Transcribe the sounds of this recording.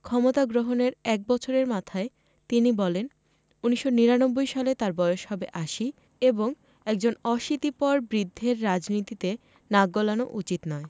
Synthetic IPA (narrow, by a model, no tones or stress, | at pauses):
kʰɔmot̪aɡɾoɦoneɾɛk̚bɔt͡ɕʰoɾeɾmat̪ʰae | t̪inibɔlen | uniʃːoniɾanobːojʃalet̪aɾbɔjoʃhɔbeʔaʃi | eboŋ | ɛk̚d͡ʑonɔʃit̪ipɔɾbɾid̪ʱːeɾːad͡ʑnit̪it̪e | naɡolano̰ʔut͡ɕit̪nɔe